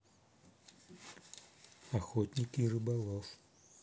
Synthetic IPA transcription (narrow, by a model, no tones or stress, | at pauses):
axɔt̪ʲnʲikirɨbalˠɔf